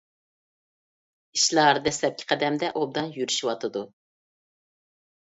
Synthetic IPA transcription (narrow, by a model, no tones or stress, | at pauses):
iʃlˠɑɾd̪ɛslɛp̚kʲʰɪ̥qʰɛd̪ɛmd̪ɛʔob̚d̪ɑnjyɾyʃiwɑt̪ʰɨd̪u